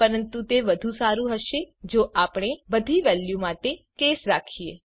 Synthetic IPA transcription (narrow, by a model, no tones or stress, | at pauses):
pəɾənt̪ut̪eʋəd̪ʱũsaɾũɦəʃed͡ʒoʔapɽ̃ebəd̪ʱiʋɛljumaʈekesɾakʰiḛ